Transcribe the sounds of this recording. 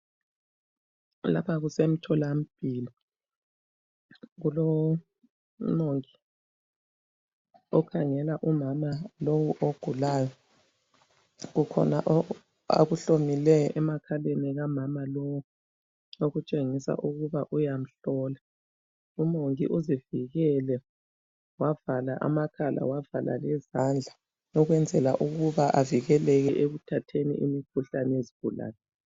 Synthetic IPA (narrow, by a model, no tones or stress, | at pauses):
la̰pʰaɣusem̩tʰɔlam̩b̥ʱiːli | ɣulɔ | moŋi | ɔkʰaŋɛlaʔumamalowuʔoɡ̥ʱulaːjɔ | ɣukʰɔ̰na̰ʔ | a̰ɣuɬomilɛɛmakʰaleniɣamamalɔwu | oɣut͡ʃʼeŋisa̰ʔuɣuβaʔujam̩ɬɔːla | umoŋḭʔuziviɣɛlɛ | wavalaʔa̰makʰalʔa̰wavala̰lɛzand͡ɮʱa | nɔɣwɛnd͡zʱɛla̰ʔuɣuβaʔaviɣɛlɛɣɛʔeɣutʰatʰenḭʔḭmikʰuɬanɛjezib̥ʱula̰ːlɛ